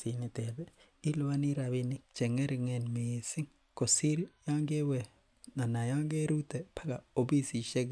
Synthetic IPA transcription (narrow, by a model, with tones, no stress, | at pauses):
si˨ni˨t̪ɛ˨bɛ˦ | i˦lwa˦ni˦ɾa˨βi˦ni˦k̚t͡ʃɛ˨ŋɛ˦ɾŋɛ˨nmi˨sɪ˦ŋ | ko˨si˦lja˦ŋɡe˦wɛ˨ | na˨na˨ja˦ŋɡe˦ɾu˦t̪ɛ˨pʰa˦ka˨o˨bi˦si˨ʃɛ˦ɡ